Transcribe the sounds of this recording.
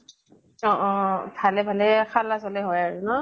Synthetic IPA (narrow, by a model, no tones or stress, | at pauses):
ɔ̃ʔɔ̃tʰalɛbʱalɛxalasɔlɛɦɔjaɹʊnɔ